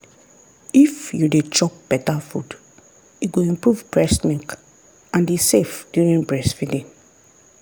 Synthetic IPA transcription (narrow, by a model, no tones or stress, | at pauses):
ifjudet͡ʃɔp̚b̥ɛtafṵd | uɡoĩmpɹuvbɹɛsmĩŋk | ãndisefdjuɹĩnbɹɛsfidĩn